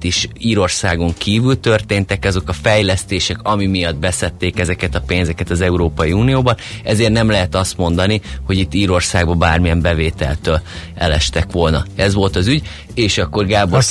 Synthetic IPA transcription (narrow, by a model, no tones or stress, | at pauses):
t̪iʃiːɾo̞rsaːɡo̞ŋkiːvylt̪ø̞rt̪eːnt̪ɛkɛzo̞kɒfɛjlɛst̪eːʃɛkɒmimijɒd̪̚bɛsɛt̪ːeːkɛzɛkɛt̪ɒpeːnzɛkɛt̪ɒzɛuɾoːpɒjiuːnijoːbɒnɛzeːrt̪nɛmlɛɦɛt̪ɒst̪mo̞n̪d̪ɒniho̞ɟit̪ːiːɾo̞rsaːɡbɒbaːrmijɛmbɛveːt̪ɛ̰lt̪øːlɛlɛ̰ʃt̪ɛkʋo̞lnɒɛzʋo̞lt̪ɒzyɟ | eːʃɒkːo̞rɡaːbo